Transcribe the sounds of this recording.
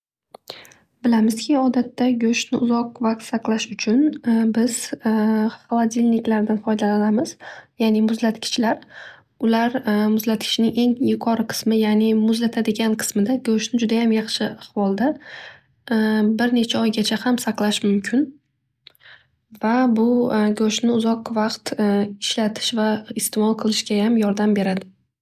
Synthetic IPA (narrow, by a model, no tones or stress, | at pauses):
bɪlamɪzkʲʰɪɒd̪at̪ʰːaɡʲɵʃnɪʊzɒq̚vakq̚t̪saqlˠaʃʊt͡ʃʰʊnbɪz̥ | χalˠad̪ʲilʲnɪkʲlaɾd̪anfɒjd̪alalamɪzjaːnɪmʊzlat̪kʲʰɪ̥t͡ʃlaɾ | ʊlaɾmʊzlat̪̚kʲʰɪ̥ʃnɪŋʔe̞ŋjʊqʰɒɾɨqʰɨ̥smɪjanɪmʊzlat̪ʰad̪ɪɡʲanqʰɨ̥smɪd̪aɡɵʃnɪd͡ʒʊd̪ajamjɑχʃɪɑχvɒlˠd̪a | bɪɾne̞t͡ʃʰaɒjɡʲat͡ʃʰahamsaqlˠaʃmʊmkʲʰɪn | vabʊɡɵʃnɪʊzɒqvɑqt̪ɪʃlat̪ʰɪ̥ʃvaɪst̪emɒlˠqʰɨlˠɪʃɡʲajamjɒɾd̪ambe̞ɾad̪ɪ